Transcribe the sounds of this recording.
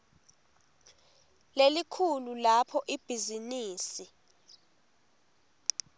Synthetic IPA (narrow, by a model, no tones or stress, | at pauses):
lelikʰululapʰɔʔib̥ʱiziniːsi